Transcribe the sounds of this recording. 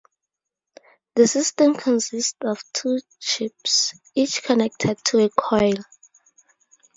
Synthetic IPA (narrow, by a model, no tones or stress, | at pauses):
ðəsistɛ̃mkʰɔ̃nsistɔv̥tʰu | t͡ʃips | it͡ʃkʰɔnɛk̚tʰɛd̚tʰuekʰɔjl